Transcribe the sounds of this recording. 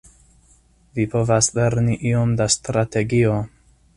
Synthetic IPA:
vipo̞vasle̞ɾniʔio̞mdast̪ɾate̞ɡio̞

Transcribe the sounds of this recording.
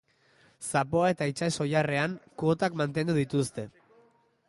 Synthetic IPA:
sapo̞ae̞t̪ait͡ʃaso̞jare̞aŋkuot̪akmant̪e̞nd̪uðit̪ust̪e̞

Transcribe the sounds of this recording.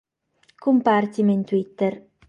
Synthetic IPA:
kumpart̪iment̪wit̪ːer

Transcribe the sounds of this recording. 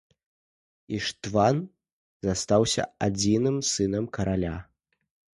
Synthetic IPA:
iʂt̪van | zast̪awsʲɐ̰ad͡zʲinɨmsɨnɐmkɐɾalʲa

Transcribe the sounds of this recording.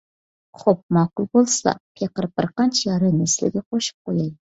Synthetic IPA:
χop̚mɑːqʊlˠbolˠsɑ̰pʰeqəɾpəɾqɑnt͡ʃʰjɑɾɨnɪslɪ̰ɡʲɛqʰoʃɨ̥p̚qojɑj̪ɪ

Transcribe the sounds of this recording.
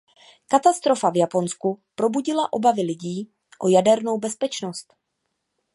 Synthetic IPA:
kat̪ast̪ɾo̞favjapo̞nskupɾo̞buɟɪlaʔo̞̰bavɪlɪɟiː | ʔojadɛɾno̞wbɛspɛt͡ʃnost̪

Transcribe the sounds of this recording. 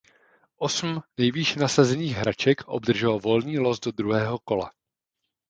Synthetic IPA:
ʔo̞sm̩nɛjviːʃnasazɛniːɣɦɾat͡ʃɛkʔo̞̰bd̪r̩ʒɛlovo̞lniːlo̞sdo̞d̪ɾuɦɛːɦo̞ko̞la̰

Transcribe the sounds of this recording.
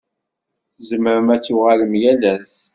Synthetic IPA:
θzəməɾəmæt͡sːuʁaləmjælæs

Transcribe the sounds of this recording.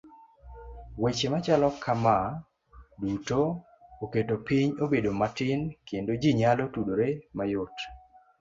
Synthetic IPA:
wet͡ʃemat͡ʃalɔkʰama | duto | oketopiɲobedomatɪnkʰendod͡ʒiɲalotudoɾemajot

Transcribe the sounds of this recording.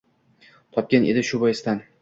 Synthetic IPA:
t̪ʰɒp̚kʲanʔḛd̪ɪʃʊbɒjɪst̪an

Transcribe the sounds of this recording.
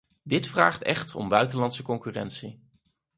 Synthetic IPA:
dɪtfra̰ːχtɛ̰χtʰɔ̰mbœɥtəlɑntsəkɔŋkyːrɛ̰ntsi

